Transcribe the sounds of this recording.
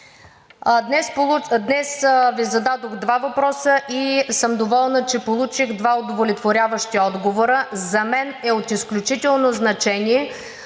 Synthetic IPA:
d̪nɛspˠud̪nɛsvizɐd̪ad̪oɣd̪vavɐpɾɔsəʔisɤmd̪ovɔlˠnət͡ʃɛpolˠut͡ʃiɣd̪vaod̪ovolʲɛt̪voɾʲjavəʃt̪iɔd̪ɡovoɾəzɐmɛnɛot̪isklʲut͡ʃit̪ɛlˠnoznɐt͡ʃɛniɛ

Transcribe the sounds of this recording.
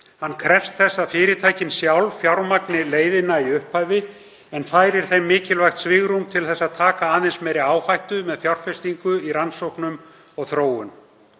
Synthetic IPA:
hanːkʰɾɛfst̪θɛsːafɪːɾɪt̪ʰaːjcɪnsjawlfjawɾmaknɪleːjðɪnːaiʏhphajvɪ | ɛnfaːjɾɪɾ̥θejmːɪːcɪlvajxt̪svɪɣɾumt̪ʰɪlθɛsːaðt̪ʰaːkaaːðɪnsmɛjɾɪaːwhajht̪ʏmɛðfjawr̥fɛst̪iŋkʏiɾansowhknʏm | ɔɣθɾoːwʏm

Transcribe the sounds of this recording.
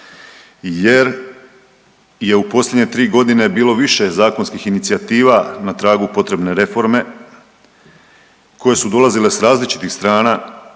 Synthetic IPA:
je̞ɾ | je̞upo̞slʲjedɲe̞t̪ɾiːɡo̞d̪ine̞biːlo̞ʋiʃe̞zaːko̞nskixinit̪sijat̪iːʋanat̪ɾaːɡupo̞t̪ɾe̞bne̞ɾe̞fo̞ɾme̞ | kʰo̞je̞sud̪o̞lˠazile̞sɾaːzlit͡ʃi̥t̪ixst̪ɾaːna

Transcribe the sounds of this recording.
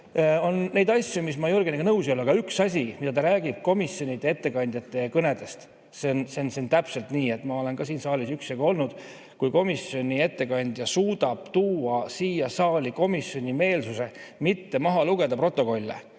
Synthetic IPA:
o̞nːe̞jd̪ɑsʲjumismɑjuɾɡeneɡɑnɤwsiolːɑɡ̥ɑyksɑs̬ʲimid̪ɑt̪ɑɾæːɡ̥ib̥̚ko̞misjo̞nʲid̪ee̞t̪ːe̞kɑnʲd̪̥jɑt̪ːˑe̞kɤne̞d̪̥e̞st̪ | sensensent̪æpse̞lt̪niːe̞t̪ːˑmɑo̞le̞nɡɑsiːnsɑːlisyksjɑɡoo̞lnud̪̥ | kujko̞misjo̞nʲie̞t̪ːe̞kɑnʲd̪̥jɑsuːd̪̥ɑb̥t̪uːɑsiːjɑsɑːlʲiko̞misjo̞nʲime̞ːlsuse̞mit̪ːe̞mɑɦɑluɡ̥e̞d̪ɑpro̞t̪ːˑo̞ko̞lʲːḛ

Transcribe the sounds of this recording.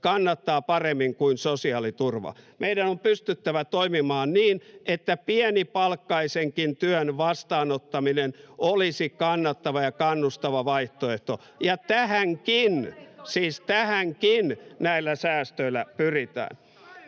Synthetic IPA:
kɑnːɑt̪ːɑːpɑremːiŋkuinsosiɑːlit̪urʋɑ̰mʔeiɾænompyst̪yt̪ːæʋæt̪oimimɑːnniːnet̪ːæpiɛnipɑlkːɑiseŋkint̪yønʋɑst̪ɑːnot̪ːɑminenolisikɑnːɑt̪ːɑʋɑjɑkɑnːust̪ɑʋɑʋɑiht̪oeht̪o | jɑt̪æhæŋkinsiːst̪æhæŋkinnæilːæsæːst̪øilːæpyrit̪æ̰ːn

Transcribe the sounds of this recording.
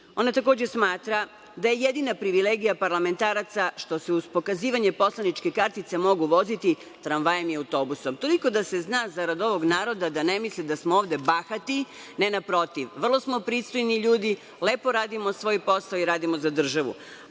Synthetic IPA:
o̞nat̪ako̞ːd͡ʑesmaːt̪ɾa | d̪aje̞jed̪inapɾiʋileːɡijapaɾlame̞nt̪aːɾat̪saʃt̪o̞se̞uspo̞kaziːʋaɲe̞po̞slˠanit͡ʃke̞kaɾt̪it̪se̞mo̞ɡuʋo̞zit̪i | t̪ɾanʋajemjaut̪o̞ːbuso̞mt̪o̞liko̞d̪ase̞znaːzaɾad̪o̞ʋo̞ɡnaːɾo̞d̪ad̪ane̞mislid̪asmooːʋd̪e̞baxat̪i | ne̞napɾo̞t̪iʋʋr̩lˠo̞smo̞pɾiːst̪o̞jniʎuːd̪i | le̞ːpo̞ɾaːd̪imo̞sʋo̞ːjpo̞saoiɾaːd̪imo̞zad̪r̩ʒaʋṵ

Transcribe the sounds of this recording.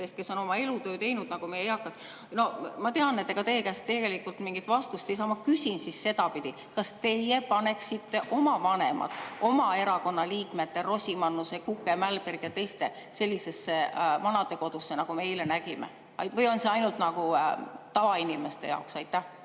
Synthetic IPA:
est̪̚ke̞so̞no̞mɑe̞lut̪ø̞ːt̪e̞jnud̪nɑɡ̥umejejɑkːˑɑt̪ːˑ | no̞mɑt̪e̞ɑnnet̪ːeɡɑt̪e̞ːkæst̪t̪ːe̞ɡe̞likːˑult̪miŋɡ̥it̪vɑst̪ust̪ejs̬ɑːmɑkysʲinsisːe̞d̪̥ɑpid̪̥i | kɑst̪e̞jepɑne̞ksit̪ːeʔo̞mɑvɑne̞̰mɑ̰t̪ˑo̞mɑe̞ɾɑko̞nːɑliːkme̞t̪ːero̞sʲimɑnːusekukːˑemælberɡ̥jɑt̪e̞jst̪e̞ | se̞lʲːise̞sːemɑnɑd̪̥e̞ko̞d̪̥usːe̞nɑɡ̥umejlenæɡ̥imḛ | ɑjvɤjo̞nse̞ɑjnult̪nɑɡut̪ɑvɑinime̞st̪e̞jɑ̰oksɑjt̪ːæh

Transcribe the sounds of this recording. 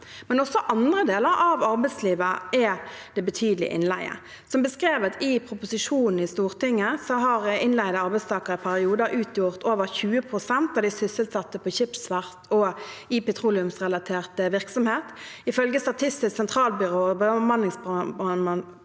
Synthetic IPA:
mɛnɔsːɔʔɑnd̪ʁəd̪eːləɾɑʋɑʁbɛɪsliːʋəʔɛd̪̥ɛbət̪ʰyːd̪lɪ̰əʔɪ̰nlæ̰ɪə̰ | sɔmbəskʁeːʋɑt̪ɪpʰʁʊpʊsɪʂuːnn̩ɪst̪uːʁt̪ʰɪŋːəsɔɦɑʁɪnlæɪd̪əɑɾbɛɪst̪ʰɑːkəʁəpʰæʁɪuːd̪əʔʉːt̪ʰjʊʁt̪oːʋəʁçʉːəpʰʁʊsɛnt̪ɑʋd̪ɪsʏsəlt̪sɑt̪ːəpʰɔçɪpsʋæʁt̪ʰɔɪpɛt̪ʰʁuːlɪʉmsʁɛlɑt̪ʰeːʁt̪əʋɪʁksɔmheːt̪ɪfœlɡəst̪ɑt̪ʰɪst̪ɪssɛnt̪ʰʁɑːlbʏʁobəmɑnɪŋs

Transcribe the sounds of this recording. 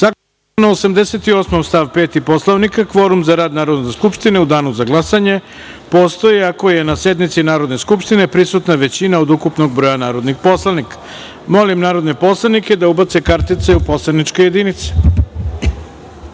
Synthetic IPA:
saɡas | naosamd̪ese̞t̪io̞smomst̪aʋpeːt̪ipo̞slˠaʋnikakʋo̞ɾumzaɾaːd̪naːɾo̞d̪neskupʃt̪ine̞ud̪aːnuzaɡlˠasaɲe̞ | po̞st̪o̞jiako̞je̞nasje̞d̪mit̪sinaːɾo̞d̪ne̞skupʃt̪ine̞pɾisut̪naʋe̞t͡ɕinaod̪ukupno̞ɡ̚bɾo̞janaːɾo̞d̪nixpo̞slanikḁ | mo̞limnaːɾo̞d̪nepo̞slˠaniked̪aubat̪se̞kaɾt̪it̪se̞upo̞slˠanit͡ʂkoje̞d̪init̪se̥

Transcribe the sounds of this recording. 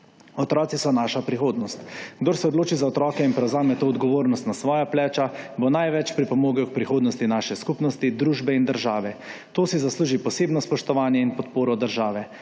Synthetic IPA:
ɔt̪ɾɔːt̪sisɔnaːʃapɾixoːd̪nɔst̪ɡd̪oɾsɛɔd̪loːt͡ʃizaɔt̪ɾɔːkɛinpɾɛwzaːmɛt̪oːd̪ɡɔʋoːɾnɔst̪nasʋɔːjaplɛːt͡ʃabɔnajʋɛt͡ʃpɾipɔmoːɡaɔk̚pɾixoːd̪nɔst̪inaʃɛskupnɔst̪id̪ɾuːʒbɛind̪əɾʒaːʋɛt̪oːsizasluːʒipɔseːbnɔspɔʃt̪ɔʋaːnjɛinpɔt̪poːɾɔd̪əɾʒaːʋɛ

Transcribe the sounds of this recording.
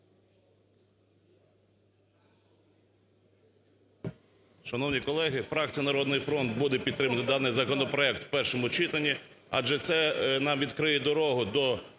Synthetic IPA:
ʃɐnɔwnʲikɔlˠɛɦɪfɾɑk̚t͡sʲijɐnɐɾɔd̪nɪjfɾɔnt̪̚bud̪ɛpʲid̪t̪ːɾɪmɐt̪ɪd̪ɑnɪjzɐkɔnɔpɾɔɛk̚t̪wpɛrʃɔmʊt͡ʃɪt̪ɐnʲːiɑ̰d͡ʒɛt̪sɛnɑmʋʲid̪kɾɪjɛd̪ɔɾɔɦʊd̪ɔ

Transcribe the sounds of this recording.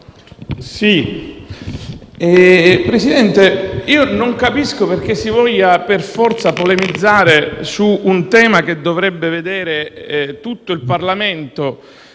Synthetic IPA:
si | ɛpɾesid̪ɛnt̪eiːonoŋkapiskoperk̟esːivɔʎːaperfɔrt̪sapolemid̪zːaːɾesuːnt̪ɛːmak̟ed̪ːovɾɛbːeved̪eːɾet̪ut̪ːoilparlament̪o

